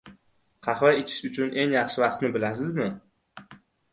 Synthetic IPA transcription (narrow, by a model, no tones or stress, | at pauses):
qʰɑχvaet͡ʃ̪ʰɪ̥ʃʊt͡ʃʰʊnʔe̞ŋjɑχʃɪvɑqt̪nɪbɪlasɪzmɪ